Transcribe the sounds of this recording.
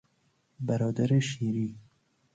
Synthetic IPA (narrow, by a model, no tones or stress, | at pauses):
bæɾɒːd̪æɾeʃiːɾiː